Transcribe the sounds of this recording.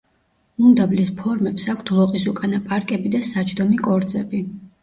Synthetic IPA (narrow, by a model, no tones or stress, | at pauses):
umd̪ablɛspʰɔɾmɛpsakʷʰt̪ʰlˠɔqʼisukʼanapʼaɾkʼɛbid̪asat͡ʃʰʼd̪ɔmikʼɔɾd̪zɛbi